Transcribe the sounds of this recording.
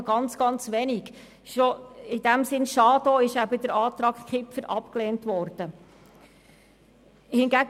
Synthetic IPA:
ɡɑnt͡sɡ̥ɑnt͡sʋɛniɡ | ʃoɪdæmsɪnʃɑːd̪oɪʃæbəd̪əɾɑːt̪ɾɑːkkχɪpfəɾʔɑpkleːntʋɔrd̥ə | hɪnɡæɡ

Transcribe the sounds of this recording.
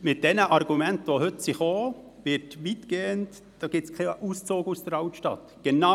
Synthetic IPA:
mɪt̚d̥ɛnəʔɑɾɡumɛntʋohʏtsɪχoː | ʋɪtʋitɡ̥eːənt | d̥ɑːɡ̥ɪt͡skʰauːst͡soːɡusd̥əɾaʊtʃtɑ̰t | ɡ̥ena

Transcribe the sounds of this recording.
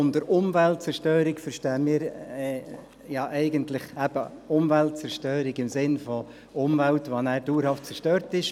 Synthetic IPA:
ʊndəɾʊmvælt̚t͡sɛɾʃtøːɾikfəɾʃtɛːmiːɾɛ | jɑʔɛɪɡəntlɪχæb̥əʊmvælt̚t͡sɛɾʃtøːɾiɡɪmsɪnfɔ | ʊmvæltʋɑnæːɾduːɾhɑft̚t͡sɛɾʃtøːɾtɪʃ

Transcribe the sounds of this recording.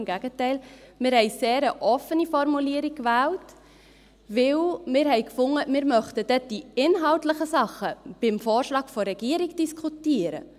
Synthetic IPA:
mɡæɡətɛɪlmɪːɾhɛɪseːɾəʔɔfənifɔɾmuliːəɾikkʋæːlt | ʋɪwmɪːɾhɛɪkfʊŋːəmɪːɾmœχtəd̥ɛd̥iɪnɦɑltləχəsɑχːəb̥ɪmfoːɾʃlɑːɡ̥fɔɾɛɡ̥iːəɾiɡd̥iskʰutiːəɾə̰

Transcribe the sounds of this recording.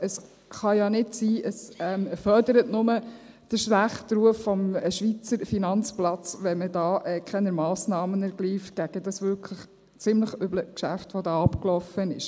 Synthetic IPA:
əs | χɑjɑnɪtsiːʔəsɛmfœɾdəɾətnʊmə | d̥əɾʃlæχtɾuəfːɔmʃʋit͡səɾfinɑnt͡splɑt͡sʋɛmədɑːʔɛkχɛnəmɑːsnɑːmənæɾɡ̥liːftɡ̥æɡ̥əd̥ɑsʋʏɾkʰləχ | t͡sɪmləχʏbləkʃæ̰ftʋɔdɑːɑpklɔfənɪʃ

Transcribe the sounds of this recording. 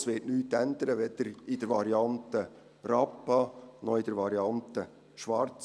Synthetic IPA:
sʋɪːtnyːt̪ːænd̪əɾəʋɛd̪̥əɾɪd̥əɾʋɑɾiɑnt̪ə | rɑpːɑnɔɪd̪əɾʋɑɾiɑnt̪ə | ʃʋɑɾt͡s

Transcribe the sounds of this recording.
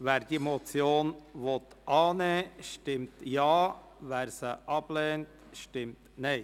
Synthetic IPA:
ʋæːɾd̥imot͡sjoːnʋot̪ | ʔɑːneʃtɪmtjɑː | væːɾsəʔɑb̥lɛːnt | ʃtɪmt | neɪ

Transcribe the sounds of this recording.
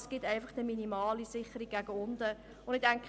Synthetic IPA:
sɡ̥ɪtɛɪnfəχd̥əminimɑːlisɪχəɾiɡ̥æɡəʊndə | ʊ̃ndɪk̚d̥æŋk

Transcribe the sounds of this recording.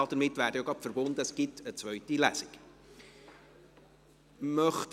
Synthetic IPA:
ɑd̥̪əɾmɪtːvæːɾd̥əoɡɑpfəɾbond̪əəsɡ̥ɪt̪ʰət͡svœʏtilæsɪk | mœχt

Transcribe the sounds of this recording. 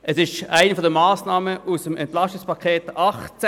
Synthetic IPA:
ʔɛsɪʃaɪnəfɔdəmaːsnɑːməʔusəmɛntlɑʃtɪkspɑkʰχeːtʔɑχt͡s

